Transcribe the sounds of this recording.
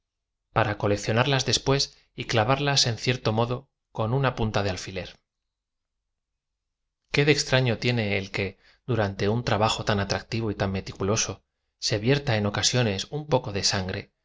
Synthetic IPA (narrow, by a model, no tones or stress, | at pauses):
paɾako̞le̞kθjo̞naɾlazðe̞spwe̞s | iklaβaɾlase̞nθje̞ɾt̪o̞mo̞ðo̞ | ko̞nunapunt̪að̞e̞alfile̞ɾ | ke̞ðe̞kst̪ɾaɲo̞t̪jene̞ːlke̞ | ðuɾant̪e̞unt̪ɾaβaxo̞t̪anat̪ɾak̚t̪iβoit̪amme̞t̪ikulo̞so̞ | se̞βje̞ɾt̪ae̞no̞kasjo̞ne̞sumpo̞ko̞ðe̞saŋɡɾe̞